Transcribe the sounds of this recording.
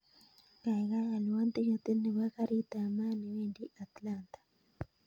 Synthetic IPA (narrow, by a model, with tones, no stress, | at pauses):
ka˨ɣa˦ja˨lwa˦nt̪i˦jot̪e˦ne˨βa˦ka˦ɾi˦t̪a˨ma˦ni˨we˦ndi˦ʔa˨t̪lant̪ḁ